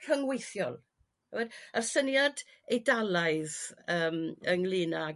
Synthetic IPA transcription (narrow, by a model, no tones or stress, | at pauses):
r̥əŋwejθjɔlˠ | wɛdarsənjad | ejdalˠaɨðəːməŋlɪːna